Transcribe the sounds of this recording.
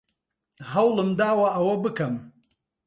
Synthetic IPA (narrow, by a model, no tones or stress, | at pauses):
hɐwlɨmd̪aːwɐʔɐwɐbɨkɐm